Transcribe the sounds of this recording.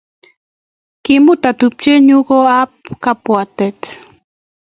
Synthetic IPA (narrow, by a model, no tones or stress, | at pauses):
kimut̪at̪up̚t͡ʃeɲukoapkapuat̪et̪